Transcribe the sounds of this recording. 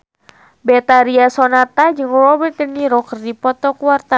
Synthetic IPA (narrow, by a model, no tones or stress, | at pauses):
bɛt̪aɾiasɔnat̪ad͡ʒɨŋrɔbət̪̚əniɾɔkərdipɔt̪ɔkuart̪a